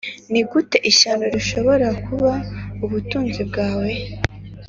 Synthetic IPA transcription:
niɡute̞ʔiʃanoɾiʃo̞βo̞ɾakuβauβutuːnzibɡaːwe̞

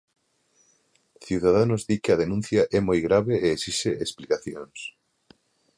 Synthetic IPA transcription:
θiwðað̞anʊzðikeɐð̞enũn̟θjɐʔɛmojɣɾaβeeesiseʔesplikaθjoŋs

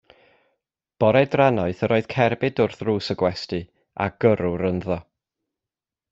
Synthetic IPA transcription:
b̥ɔɾɛdranɔɨθəɾoːɨð̥kʰɛrbɪdʊrθruːsəɡwɛstɨ | a̰ɡ̥əɾʊɾənðɔ

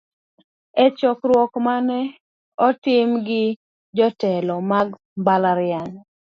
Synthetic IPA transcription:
ɛt͡ʃɔkɾwɔkmanɛ | ɔtɪmɡɪ | d͡ʒɔtɛlɔmaɡ | mbalaɾɪan

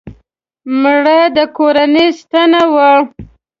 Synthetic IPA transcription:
mɽəd̪əkoɾanəjst̪anawa

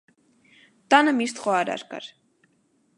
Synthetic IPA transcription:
t̪ɑnəmist̪χɔɑɾɑ̰ɾkɑ̰ɾ

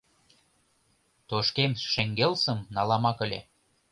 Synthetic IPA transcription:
t̪oʃkemʃĕŋɡelsə̆mnɑlɑmɑkə̆lʲḛ

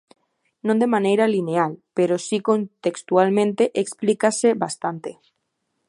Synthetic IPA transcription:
nõnd̪emãnejɾalinealpeɾosikont̪ekst̪ualmẽnt̪eʔeksplikaseβast̪ant̪e

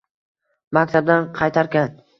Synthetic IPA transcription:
makʲt̪ʰab̚d̪anqʰɑjt̪ʰaɾkʲan

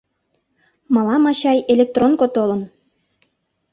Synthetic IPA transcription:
mɑlɑmɑɕɑjelʲek̚t̪ronkot̪olə̆n

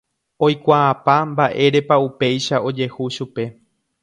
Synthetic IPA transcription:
o̞jkʷaːpambaʔe̞ɾe̞paupe̞jʃao̞d͡ʒe̞huʃupe̞

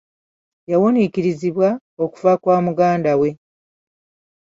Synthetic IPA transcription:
jawonikiɾiziβwa | o̞ku̥vakwaːmuɡaːndawe̞

